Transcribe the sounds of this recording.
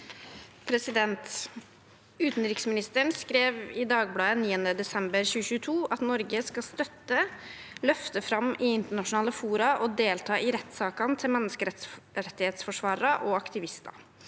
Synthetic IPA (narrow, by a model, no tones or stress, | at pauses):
pʰɾɛsɪd̪ɛnt̪ | ʉːt̪nɾɪksmɪnɪst̪əɳskɾeːʋɪd̪ɑːɡ̚blɑːəniːənəd̪ɛsɛmbəɾçʉːəɕʉːət̪ʰuːʔɑt̪nɔɾɡəskɑst̪œt̪ːəlœft̪əfɾɑmɪɪnt̪əɳɑʂʊnɑːləfuːɾɑʔɔd̪eːlt̪ʰɑːʔɪɾɛt̪ːsɑːkɑnt̪ʰɪlmɛnːəskəɾɛt̪ːɪheːt̪sfɔʂʋɑːɾɾɑʔɔɑkt̪ɪʋɪst̪ɑ̰